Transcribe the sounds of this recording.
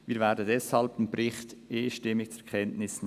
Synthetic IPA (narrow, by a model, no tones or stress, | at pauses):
viːɐɾvɛːɾdən̩dɛshaɑlbɪmbɾɪχtʔeːʃtɪmːɪkt͡sɛkʰɛntnɪsn